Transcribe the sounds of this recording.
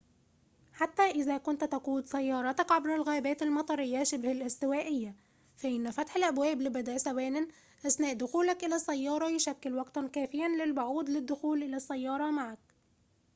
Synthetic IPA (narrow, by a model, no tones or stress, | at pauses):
ħat̪ːæːʔɪðæːkʊnt̪t̪æquːd̪sæjːɑːɾˤɑt̪ɑkʕabɾɪlɣæːbæːt̪almɑt̪ˤɑɾˤɪjːaʃɪbhælʔɪst̪ɪwæːʔɪjːa | fæʔɪnːfæt̪ħɪlʔæbwæːblɪbæd̪æʔsæwæːnɪn | ʔasnæːʔd̪ʊxuːlakʔɪlæsˤːæjːɑːɾˤɑjʊʃækːɪlwɑɡt̪ɑnkæːfɪjanlɪlbʊʕuːd̪lɪd̪ːʊxuːlʔɪlæsːæjːɑːɾˤɑmaʕak̚